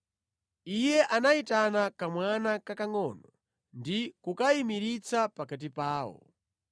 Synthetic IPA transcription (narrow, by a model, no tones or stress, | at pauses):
ijɛʔanaitanakamwanakakaŋɔːnɔ | ndikukaimiɾit͡sʰapakat̬ipaːwɔ̰